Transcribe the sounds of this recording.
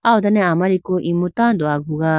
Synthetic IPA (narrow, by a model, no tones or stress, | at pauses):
aod̪aneamaɾikoʔimɯt̪and̪oaɡɯɡa